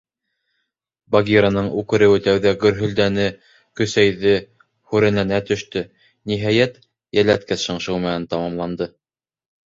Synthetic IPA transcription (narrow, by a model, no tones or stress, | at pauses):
baɡʲiɾanɤɴʉkɘ̆ɾɘ̆wɘt̪æwðæɡɵ̆ɾɦɵ̆ld̪ænɘ | kɵ̆sæjðɘ | hʉɾæ̆nænæt̪ɵ̆ʃt̪ɵ | niɦæjæt̪ | jælæt̪kæθʃɤ̆ɴʃɤwmæænt̪ɑmɑmlˠɑnd̪ɤ